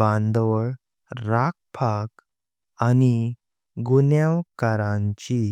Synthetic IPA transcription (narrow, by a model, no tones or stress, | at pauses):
ãnd̪ʋəɭ | ɾak̚pʰak | ani | ɡunjaʋkaɾãɲt͡ɕi